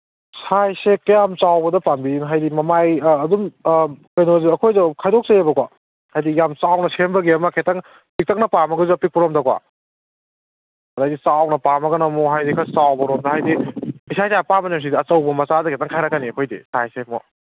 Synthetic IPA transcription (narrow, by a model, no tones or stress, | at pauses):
sajsekjamt͡ʃawbɐdɐpambiinɦajdimɐmajːdumkɐjnoziɐkʰojdɐkʰajdɔk̚sejebɐkwa | hajdijamt͡ʃawnɐsembɐɡeɐmɐkʰetɐŋ | pik̚tɐk̚nɐpamɐɡɐzuɐpik̚pɔɾomdɐkwa̰ | ɐɾajdisawnɐpamɐɡɐnɐmɔɦajdikʰɐsawbɐɾomdɐɦajdiisʰasapamɐnems̬idiɐt͡ʃɐwbɐmɐt͡ʃadɐkʰetaŋkʰajɾakːaniɐkʰojdḭsajsemɔ